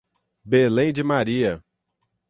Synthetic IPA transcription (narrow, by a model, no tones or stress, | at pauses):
belẽj̃d͡ʒɪmaɾiɐ